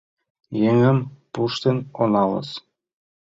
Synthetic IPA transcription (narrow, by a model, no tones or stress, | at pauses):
jeŋɘ̆mpuʂt̪ʲĕnonɑlˠɤ̰̆s